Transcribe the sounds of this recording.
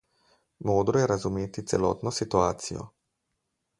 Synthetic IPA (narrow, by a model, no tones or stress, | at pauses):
moːd̪ɾɔjɛɾazumeːt̪it̪sɛlɔ̰ːt̪nɔsit̪uaːt̪sḭjɔ̰